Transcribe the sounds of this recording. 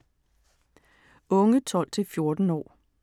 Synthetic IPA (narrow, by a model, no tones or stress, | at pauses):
ɔ̽ŋət͡sʰɒ̽l̰t͡sʰe̝lfjo̝ɐd̥n̩ɒ̰ː